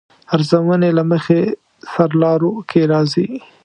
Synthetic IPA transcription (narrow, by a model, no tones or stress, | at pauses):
aɾzawənelaməxe | saɾlɑɾokʰeɾɑzi